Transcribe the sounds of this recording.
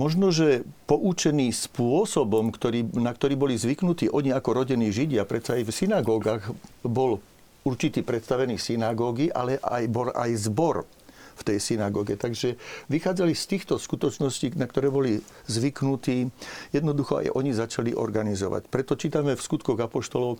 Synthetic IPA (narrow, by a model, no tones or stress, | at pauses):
mɔʒnɔʒɛpɔʔut͡ʃɛniːspʊɔsɔbɔmkt̪ɔɾiːnakt̪ɔɾiːbɔlizʋiknut̪iːʔɔɲiakɔɾɔɟɛniːʒiɟɪapɾɛt̪t͡saajfsinaɡɔːɡaːɣbɔl | uɾt͡ʃit̪iːpɾɛt̪st̪aʋɛniːsinaɡɔɡiʔa̰lɛʔa̰jbɔlʔa̰jzbɔɾ | ft̪ɛjsinaɡɔːɡɛt̪aɡʒɛʋixaːd͡zalist̪iːxt̪ɔskut̪ɔt͡ʃnɔsciːnakt̪ɔɾɛːbɔlizʋiknut̪iːjɛd̪nɔd̪uxɔa̰jʔɔɲizat͡ʃalḭʔɔ̰ɾɡanizɔ̰ʋa̰cpɾɛt̪ɔt͡ʃiːt̪amɛfskut̪kɔɣapɔʃt̪ɔlɔʊ